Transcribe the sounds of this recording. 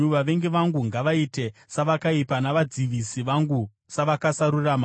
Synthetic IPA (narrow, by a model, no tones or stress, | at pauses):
uʋaʋe̞ŋɡeʋaŋɡuŋɡaʋaite̞saʋakaipanaʋad͡ziʋisiʋaŋɡu | saʋakasaɾurama